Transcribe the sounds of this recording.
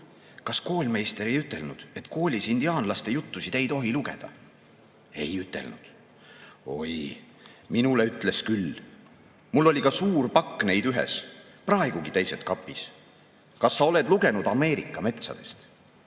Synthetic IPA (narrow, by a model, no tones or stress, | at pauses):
kɑsko̞ːlʲme̞jst̪eɾe̞jyt̪ːˑe̞lnud̪̥e̞t̪ˑko̞ːlʲisind̪̥iɑːnlɑst̪e̞jut̪ːusid̪̥e̞jt̪o̞ɦiluɡe̞̰d̪̥ɑ̰ | e̞̰jyt̪ːˑe̞̰lnud̪̥ | o̞̰j | minuleyt̪ːˑle̞skyl | mulːo̞lʲikɑsuːɾpɑkːne̞jd̪yɦḛs | prɑe̞ɡ̥uɡit̪ejset̪kɑpːˑis | kɑsːɑo̞le̞d̪̥luɡe̞nud̪̥ɑme̞ːɾikːˑɑme̞t̪sɑ̰d̪̥e̞st̪